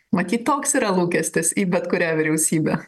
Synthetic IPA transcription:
mɐt̪ʲiːt̪t̪oːksiːɾɐlˠuːkʲɛsʲt̪ʲɪsiːbʲɛt̪kʊɾʲæːʋʲɪɾʲɛʊsʲiːbʲḛ

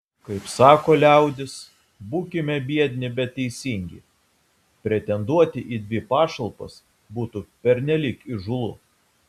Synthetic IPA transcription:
kɐɪpsɑːkoːlʲæˑʊd̪ʲɪs | buːkʲɪmʲɛbʲiɛd̪ʲnʲɪbʲɛt̪ʲtʲːɛɪsʲiŋʲɡʲɪ̰ | pʲɾʲɛt̪ʲɛnd̪uɔt̪ʲɪʔiːd̪ʲʋʲɪpɑːʃɐlˠpɐ̰s | buːt̪upʲɛɾʲnʲɛlʲikɪʒʊlˠʊ̰

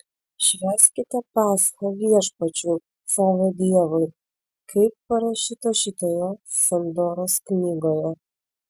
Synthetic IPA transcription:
ʃʲʋʲæːsʲkʲɪt̪ʲɛpɑːsxɐʋʲiɛʃpɐt͡ʃʲuː | sɑːʋoːd̪ʲiɛʋɐɪ | kʰɐɪpːɐɾɐʃʲiːt̪ɐʃʲiːt̪oːjɛsʲɛnd̪oːɾoːsknʲiːɡoːjɛ

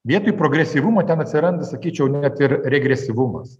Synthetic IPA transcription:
ʋʲiɛt̪oːjpɾoːɡɾʲɛsʲiʋʊmɐt̪ʲɛnɐt̪ʲsʲɪɾɐnd̪ɐsɐkʲiːt͡ʃʲɛʊnʲɛt̪ɪɾɾʲɛɡɾʲɛsʲɪʋʊmɐ̰s

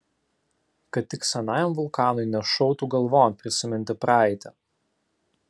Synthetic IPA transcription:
kɐt̪̚ʲːɪksʲɛnɑːjomʋʊlˠkɑːnʊɪnʲɛʃɔʊt̪uːɡɐlˠʋoːmpʲɾʲɪsʲɪmʲɪnʲt̪ʲɪpɾɑˑɪt̪ʲɛ

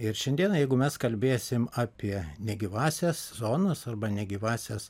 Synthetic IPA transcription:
ɪɾʃʲɛnʲd̪ʲiɛnɐjɛɪɡʊmʲɛskɐlʲbʲeːsʲɪmɑːpʲiɛnʲɛɡʲiːʋɑːsʲɛszoːnɐsɐrbɐnʲɛɡʲiːʋɑːsʲɛs

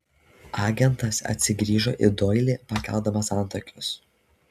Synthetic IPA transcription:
ɑːɡʲɛnt̪ɐsɐ̰t̪ʲsʲɪɡɾʲiːʒo̰ːʔɪd̪ɔɪlʲiːpɐkʲɛ̰lˠd̪ɐmɐsɑˑnt̪oːkʲʊs

